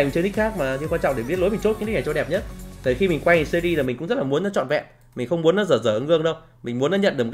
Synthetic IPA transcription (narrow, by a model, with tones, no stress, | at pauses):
t͡ɕə˧t̪i˦˥t̚xaː˦˥k̚maː˨˩tʰkwa˧t͡ɕɔ̰˧˨ŋ͡mɗe˧˩˨ɓi˦˥t̚lo˨˦jmi˨˩ŋ̟t͡ɕo˦˥t̚k̪i˦˥n˨˩t͡ɕɔ˧˩ɗɛ˨˩p̚ɲə˦˥t̚t̪ʰəː˨˩xi˧mi˨˩ŋ̟kwa˧jsə˧ɗi˧za˨˩mi˨˩ŋkʊ̰˧˥ŋ͡mzə˦˥t̚laː˨˩u˨˦ənɔ˨˦t͡ɕɔ̰˧˨nvɛ̰˧˨m | mi̟˨˩xə˧wŋ͡mmu˨˦ənɔ˨˦zəː˧˩zəː˧˩ə˧ŋɨ˧əŋɗə˧w | mï̟˨˩mu˨˦ənɔ˨˦ɲə̰˧˨nɗɨ˨˩m˨˩˧